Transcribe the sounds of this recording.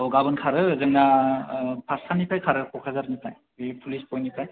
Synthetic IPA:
ɔɡabɯnkʰaɾɯzɯŋna | pʰaɾsanipʰajkʰaɾɯkʰɔkʰazaɾnipʰaj | ipʰulispɔjnipʰaj

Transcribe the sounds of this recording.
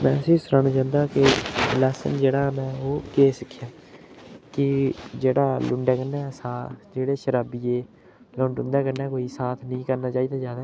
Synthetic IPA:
mɛ̃ːəsĩːsʊɾaːnaːt͡ʃãːnd̪aːkɪlɛːsə̰nd͡ʒeːɽaːmɛ̃ːoːkeːsəkʰːjaː | kɪd͡ʒeːɽaːlʊ̃ɳɖɛːkənːɛːsaːd͡ʒeːɽeːʃəɾaːbiːeː | lʊ̃ɳɖʊ̃nd̪ɛːkənɛːkoːiːsaːt̪ʰnĩːkəɾnaːt͡ʃaːiːd̪aːd͡ʒaːd̪aː

